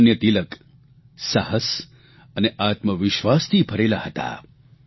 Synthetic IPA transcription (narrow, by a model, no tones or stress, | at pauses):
njət̪ilək | saɦəs | əneʔat̪məʋɪʃʋast̪ʰipʰəɾelahət̪a̰